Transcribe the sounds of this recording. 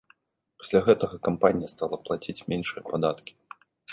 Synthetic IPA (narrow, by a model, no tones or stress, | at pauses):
pḁsʲlʲaɣɛt̪ɐɣɐkampanʲijɐst̪alˠɐplˠat͡sʲit͡sʲmʲɛnʂɨjɐpad̪at̪kʲi̥